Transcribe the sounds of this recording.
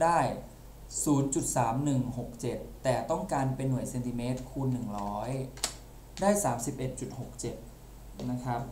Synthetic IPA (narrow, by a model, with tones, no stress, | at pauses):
daː˥˩j | suː˩˦nt͡ɕu˨˩t̪̚saː˩˦mnɯ˨˩ŋho˨˩k̚t͡ɕe˨˩t̪ːɛː˨˩t̪ɔ˥˩ŋkaː˧npe˧nːu˨˩˦jse˧nt̪i˧meː˦˥t̪̚kʰuː˧nːɯ˨˩ŋɾɔː˦˥j | daː˥˩jsaː˩˦msi˨˩p̚ʔe˨˩t̪̚t͡ɕu˨˩t̪̚ho˨˩k̚t͡ɕe˨˩t̪̚ | na˦˥kʰɾa˦˥p̚